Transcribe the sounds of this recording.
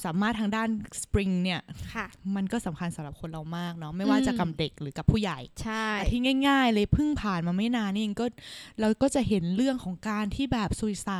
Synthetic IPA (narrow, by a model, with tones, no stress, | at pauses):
saː˨˩˦maː˥˩t̪ʰːaː˧ŋdaː˥˩nspɾi˧ŋni˥˩ɐ˩ma˧nkɔː˥˩sa˩˦mkʰa˧nsa˨˩˦mɾa˨˩p̚kʰo˧nɾa˧wmaː˥˩k̚nɔ˦˥ma˥˩jwaː˥˩t͡ɕa˨˩ka˧mde˨˩k̚ɾɯː˩˦ka˨˩pʰːuː˥˩ja˨˩jt͡ɕʰaː˥˩˨t̪ʰiː˥˩ŋaː˥˩jŋaː˥˩jlɤː˧jpʰɯ˥˩ŋpʰaː˨˩nmaː˧ma˥˩jnaː˧nː˥˩jŋkɔː˥˩ɾa˧wkɔː˥˩t͡ɕa˨˩ʔɦe˩˦nɾɯ˥˩əŋkʰɔː˩˦ŋkaː˧nt̪ʰiː˥˩bɛː˨˩p̚su˨˩˦sa˨˩